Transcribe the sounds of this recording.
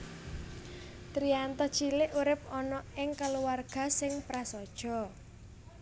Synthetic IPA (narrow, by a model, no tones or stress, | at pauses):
t̪ɾiant̪ɔt͡ʃilɪʔuɾɪp̚ɔnɔɪŋkəluwarɡ̥a̤sɪŋpɾasɔd̥ʒ̥ɔ̤